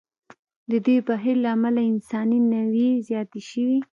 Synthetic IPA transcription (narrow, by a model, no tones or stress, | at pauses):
d̪əd̪ejbaɦiɾlaːmalaɪnsɑninawezjɑt̪eʃəwi